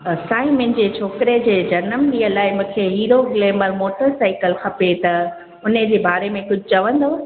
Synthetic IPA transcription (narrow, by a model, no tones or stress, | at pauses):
saːĩmɪ̃nɪ̆d͡ʑeːt͡ɕʰoːkɾed͡ʑeːd͡ʑɐnəmd͡ʑiːɐlaːɪmũːkʰeɦiːɾoɡɪleːməɾmoːʈəɾsaːɪkəlxʰɐpet̪ɐ | ʊnəd͡ʑeːbaːɾemẽkʊd͡ʑʱʊt͡ɕɐʋə̃nd̪oː